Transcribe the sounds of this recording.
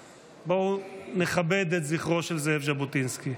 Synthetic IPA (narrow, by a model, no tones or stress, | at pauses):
boneχabed̪etziχʁo̞ʃelzeefʒabotinski